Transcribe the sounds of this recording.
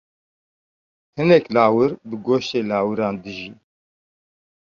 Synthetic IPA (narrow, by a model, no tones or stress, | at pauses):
hɨnɛklaːwɨɾbɨɡoːʃt̪eːlɑːwɨɾɑːnd̪ɨʒiː